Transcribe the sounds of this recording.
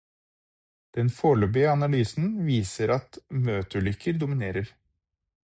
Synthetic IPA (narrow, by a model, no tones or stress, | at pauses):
d̪̥ɛnfoːɭøːbɪəɑnɑlyːsn̩ʋiːsəɾɑt̪møːt̪əɭʏkʰəɾd̪ʊmɪneːɾəɾ